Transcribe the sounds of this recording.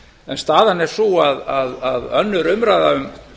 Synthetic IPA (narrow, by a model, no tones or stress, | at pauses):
ɛnst̪aːðanɛɾ̥suaðaðaðœnːʏɾʏmɾaːjðaʏm